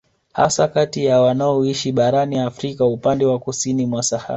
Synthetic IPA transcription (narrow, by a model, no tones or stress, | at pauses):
ha̰sakatijawanaɔiʃiɓaɾaniafɾikaupandɛwakusinimwasaha̰